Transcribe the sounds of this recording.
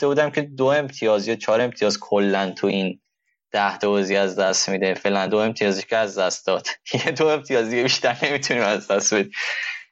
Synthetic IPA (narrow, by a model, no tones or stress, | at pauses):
oft̪ebuːd̪æmcʰe̞d̪oe̞mt̪ʰijɒːzijot͡ʃʰɒːɾe̞mt̪ʰijɒːzkʰolːænt̪ʰuʔin | d̪̥æht̪oɒziæzd̪æst̪mid̪efe̞ːlænd̪o̞e̞mt̪ʰijɒːziʃkʰeæzd̪æst̪d̪̥ɒːd̪̥jed̪oe̞mt̪ʰijɒːzijebiʃt̪æɾne̞mit̪ʰuniːmæzd̪æst̪be̞d̪im